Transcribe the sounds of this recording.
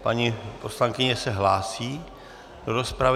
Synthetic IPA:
paɲipo̞slaŋkɪɲɛsɛɦlaːsiː | d̥oɾo̞spɾav

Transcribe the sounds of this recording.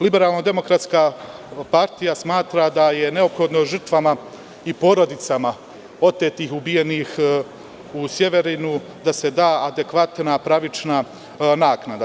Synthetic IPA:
libe̞ɾaːlˠnad̪e̞mo̞kɾat̪skaːpaɾt̪ijasmaːt̪ɾad̪aje̞ne̞o̞pxo̞d̪noʒɨr̩t̪ʋama | ipo̞ɾo̞d̪it̪sama | o̞t̪et̪ixubije̞niːx | usje̞ʋe̞ɾinu | d̪ase̞d̪aːad̪e̞kʋat̪napɾaʋit͡ʃna | naːknad̪a

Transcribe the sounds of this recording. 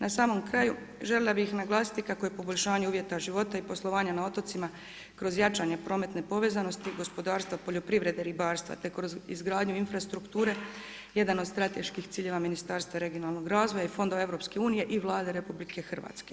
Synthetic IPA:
nasaːmo̞mkɾaju | ʒe̞lʲelˠabixnaɡlˠaːsi̥t̪ikakoje̞po̞bo̞ʎʲʃaːɲe̞uːʋje̞t̪aʒiʋo̞t̪aipo̞slˠo̞ʋaːɲanao̞t̪o̞t̪sima | kɾo̞zjat͡ʃaːɲe̞pɾo̞ːme̞t̪ne̞po̞ʋe̞ːzano̞st̪iɡo̞spo̞d̪aːɾst̪ʋapo̞ʎo̞pɾiʋɾe̞d̪eɾibaːɾst̪ʋa̰t̪e̞kɾozḭzɡɾaːd̪ɲuinfɾast̪ɾukt̪uːɾe̞ | je̞d̪anod̪st̪ɾat̪e̞ʃkixt̪iːʎe̞ʋaminist̪aːɾst̪ʋaɾe̞ɡionaːlˠno̞ɡɾaːzʋo̞jaifo̞nd̪oʋaevɾo̞pske̞uːnije̞ʔiʋlˠaːd̪e̞ɾepublike̞xr̩ʋa̰t̪ske

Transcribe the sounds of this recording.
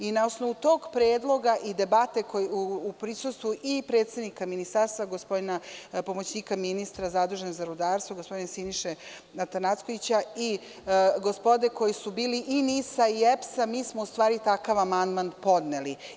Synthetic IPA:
inaosno̞ʋut̪o̞ːɡpɾeːd̪lˠo̞ɡaʔid̪e̞bat̪e̞kojuupɾisust̪ʋuʔipɾe̞ːt̪se̞d̪nikaminist̪aːɾst̪vʋaɡospo̞d̪inapo̞mot͡ɕniːkaminist̪ɾazad̪ɾuʒenezaɾud̪aːɾst̪voɡo̞spod̪inesiniʃe | nat̪anat̪skoʋit͡ɕai | ɡospo̞d̪e̞ko̞jisubiːliʔinisaiepsamiːsmoust̪ʋaːɾit̪akaʋamand̪mand̪po̞d̪neli

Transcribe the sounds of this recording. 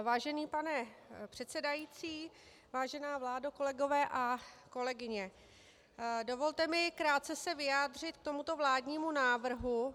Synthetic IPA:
vaːʒɛniːpanɛpr̥ɛt̪sɛdajiːt͡siː | vaːʒɛnaːvlaːdoko̞lɛɡo̞vɛːʔako̞lɛɡɪɲɛ | do̞vo̞lt̪ɛmɪkɾaːt̪̚t͡sɛsɛvɪjaːd̪r̝ɪt̪k̚t̪o̞mut̪o̞vlaːdɲiːmunaːvr̩ɦu

